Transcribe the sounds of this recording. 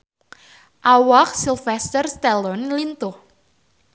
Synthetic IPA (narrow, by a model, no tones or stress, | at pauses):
ʔawak̚silfɛst̪ərst̪ɛlɔnlint̪ʊh